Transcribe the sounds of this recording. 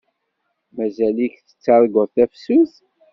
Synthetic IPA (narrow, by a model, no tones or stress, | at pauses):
mæzælikθə̥t͡sːɑɾˤɡəɾθæfsuθ